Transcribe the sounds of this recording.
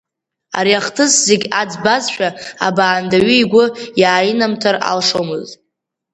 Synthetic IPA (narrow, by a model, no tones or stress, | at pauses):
a̰ɾjaχtʰɨszeɡʲad͡zbazʃᶣaa̰baːndaɥiiɡʷʊjaːinamtʰara̰lʂomɨztʼ